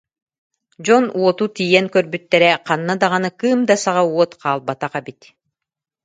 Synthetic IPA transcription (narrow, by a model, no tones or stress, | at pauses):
d͡ʑɔnuɔt̪ut̪ijɛŋkœɾbyt̪ːɛɾɛqanːad̪aʁanɯkɯːmd̪asaʁaɔt̪qʰaːlˠbat̪aqɛbit̪